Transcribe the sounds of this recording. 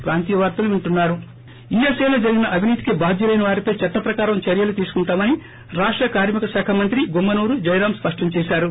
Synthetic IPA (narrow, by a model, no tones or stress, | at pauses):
pɾaːnt̪iːɐʋaːɾt̪ɐluuɳʈunːaːɾu | iːeseːloːd͡ʒɐɾiɡinɐʔɐbʱiniːt̪ikibʱaːd̪ʱjɐlɐjnɐʋaːɾipɐjt͡ʃɐʈːɐpɾɐkaːɾɐmt͡ʃɐɾjɐlut̪iːsu̥kuɳʈaːmɐni | ɾaːʂʈɾɐkaːɾmikɐsaːkʰɐmɐnt̪ɾiɡumːɐnuːɾud͡ʒɐjɾaːmspɐʂʈɐɲt͡ʃɛːʃaːɾu